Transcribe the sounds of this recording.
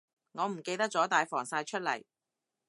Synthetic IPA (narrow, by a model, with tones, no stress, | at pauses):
ŋɔː˨˧m̩˨˩ke˧jt̪ɐ˥t͡sɔː˨˥t̪aː˨jfɔː˨˩ŋsaː˧jt͡ʃʰɵ˥t̚lɐ̰˨˩j